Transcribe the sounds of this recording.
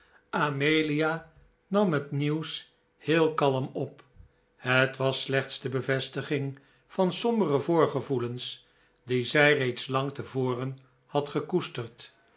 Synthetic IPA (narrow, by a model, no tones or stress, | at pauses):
ʔamejlia | nɑmɦətniws | hɪːlˠkɑləmɔp | hətʋɑslɛχtsdəbəvɛstəχɪŋ | fɑnsɔmbərəvʊːɹχəvuləns | dizɛjrejtslɑŋtəvoːrən | hɑtχəkustərt